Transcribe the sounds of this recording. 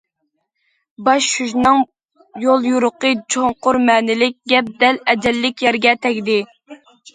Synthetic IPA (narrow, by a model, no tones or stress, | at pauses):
bɑʃːyʒnɨŋ | jolˠjuɾʊqət͡ʃʰoŋqʊɾmɛːnɪlɪk̚ʲɡʲɛp̚d̪ɛlɛd͡ʒɛlːɪkʲjɛɾɡʲɛt̪ʰɛkʲd̪ɪ